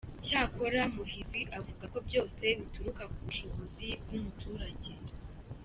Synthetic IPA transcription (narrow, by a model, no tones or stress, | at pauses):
caːko̞ɾamuhiziʔavuɡako̞bjo̞ːse̞βituɾukakuβuʃo̞βo̞zibɡumutuːɾaɟe̞